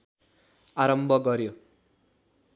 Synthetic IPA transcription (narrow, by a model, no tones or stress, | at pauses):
aɾʌmbʱʌɡʌɾjo